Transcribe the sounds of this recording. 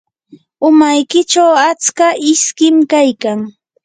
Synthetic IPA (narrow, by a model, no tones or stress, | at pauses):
ʊmajkɪt͡ʃawat͡skaʔɪskɪmkajkaŋ